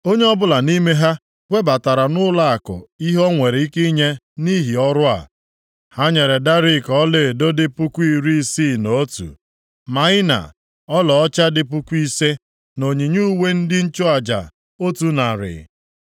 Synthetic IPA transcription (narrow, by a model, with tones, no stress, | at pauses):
o˦ɲe˦ɔ˦bʊ˦la˨ni˦me˦ɦa˦ | wʷe˦ba˨ta˨ɾa˨nʊ˦la˦a˨kʊ̰˨i˦ɦɔ˦ŋʷe˨ɾi˦ki˦ɲe˦ | ni˦ɦi˨ɔ˦ɾʊ˦a̰˨ | ha˦ɲe˨ɾe˨da˦ɾi˦˨kɔ˦leː˦˨do˦dɪ˦pu˦kʷu˦i˦˨ɾi˦si˦˨no˨˦tṵ˨ | ma˨ɪ˦na̰˨ | ɔ˦lɔ˨ɔ˦t͡ʃa˦dɪ˦p̬u˦kʷu˦i˦se˦ | no˨ɲi˨ɲu˦we˦n̩˦dɪ˦n̩˦t͡ʃʊ˦a˨d͡ʒa̰˨ | o˦tu˨na˨ɾɪ̰˨